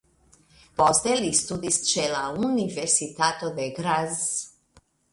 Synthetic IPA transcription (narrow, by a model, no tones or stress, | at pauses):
post̪elist̪ud̪ist̪t͡ʃelauniveɾsit̪at̪od̪eɡɾaz